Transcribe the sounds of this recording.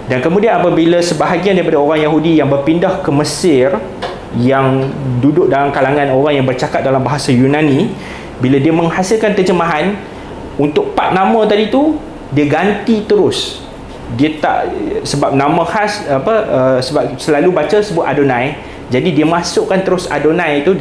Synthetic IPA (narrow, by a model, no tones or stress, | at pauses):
dankəmũdianapəbilasəbaɦaɡiandaɾipadaoɾaŋjaɦudijaŋbərpindahkəməsɪr | jaŋdudʊʔ̚dalamkalaŋãnoɾaŋjaŋbərt͡ʃakat̪̚dalambaɦasajunãnĩ | biladiəmə̃ŋhasɪlkank̪əd͡ʒəmaɦan | unt̪ʊk̚pat̪̚nãmə̃t̪adit̪u | diəɡant̪it̪əɾʊs | diət̪a̰ʔsəbap̚nãmə̃hasapəəsəbap̚səlalubat͡ʃəsəbuaʔ̪adonãj | d͡ʒadidiəmãsʊʔkant̪əɾʊsa̰donãjt̪u